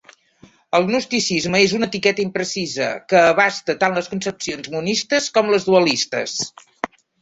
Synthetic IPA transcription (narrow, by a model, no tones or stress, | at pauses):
əlˠnust̪isizməezunət̪ikɛt̪əimpɾəsizə̰kəːβ̞ast̪ət̪anləskunsəpsionzmunist̪əskɔmləzðuəlist̪ə̰s